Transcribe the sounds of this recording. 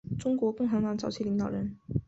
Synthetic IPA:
ʈ͡ʂʊ˥ŋkwɔ˧˥kʊ˥˩ŋxa˧˥ŋt̪wa˧˥nt͡sɑ˨˩ʊt͡ɕʰi˥˩li˧˥ŋt̪ɑ˨˩ɻə˧˥n

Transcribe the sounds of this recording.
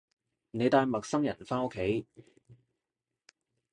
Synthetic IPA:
ne˨˧jt̪aː˧jmɐ˨k̚sɐ˥mjɐ˨˩nfaː˥o˥kʰːe˨˥j

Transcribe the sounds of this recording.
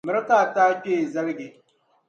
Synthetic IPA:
mɪ˨ɾa˦taː˦˨taː˦k͡peː˦˨za˦lɡe˨

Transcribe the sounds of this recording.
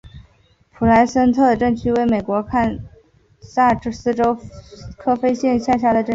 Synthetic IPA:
pʰu˨˩la˧˥ɪsə˥nt̪ʰɤ˥˩d̪ə˩ʈ͡ʂɤ˥˩ŋt͡ɕʰy˥we˧˥ɪme˨˩ɪkwɔ˧˥kʰa˥˧n | sa˥˩ʈ͡ʂsɹ̩˥ʈ͡ʂo˥ʊkʰɤ˥fe˥ɪɕjɛ˥˧nɕja˥˩ɕja˥d̪ə˨ʈ͡ʂɤ˥˩

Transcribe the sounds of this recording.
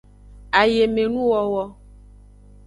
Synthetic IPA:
a˨je˨me˨nũ˦wɔ˨wɔ˦

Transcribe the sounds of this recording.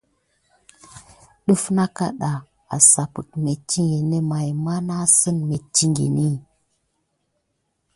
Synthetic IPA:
ɗu˦fna˦ka˦ɗa˨ | a˨sa˨pu˨tme˨t͡ʃːi˦ŋɡe˨ne˦ma˨jma˦na˦sə˦nme˨t͡ʃi˦ŋɡḛ˨ni˦

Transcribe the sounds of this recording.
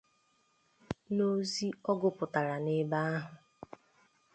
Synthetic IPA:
no˦zi˦ɔ˦ɡʊ˨pʊ˨ta˨ɾa˨nɪ˦ba˦a˦ɦʊ˨

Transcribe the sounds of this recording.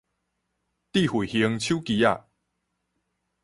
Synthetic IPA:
t̪i˥˨hu˨˩hi˧ə˧ŋt͡ɕʰju˦ki˧˦ja˥˧˨

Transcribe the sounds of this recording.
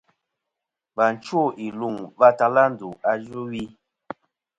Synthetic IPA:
ba˨n˨˦t͡ʃo˦˨ʔi˨lu˦˨ŋva˦ta˦la˦n̩˨du˨a˨d͡ʒu˦wi˦

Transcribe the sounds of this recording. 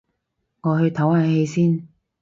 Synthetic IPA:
ŋɔː˨˧hɵ˧ɥt̪ʰɐ˨˥whaː˨˧jhe˧jsiː˥n

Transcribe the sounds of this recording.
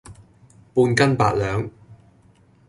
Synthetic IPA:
puː˧nkɐ˥npa̰ː˧t̚lœː˨˧ŋ

